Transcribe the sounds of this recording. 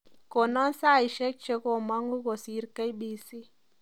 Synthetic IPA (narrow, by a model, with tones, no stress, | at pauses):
ko˨na˦nsa˦˨i˨ʃɛ˦k̚t͡ʃe˦ko˦˨ma˦ŋɡu˦ko˨si˨˦ɾka˦jɓi˨si˦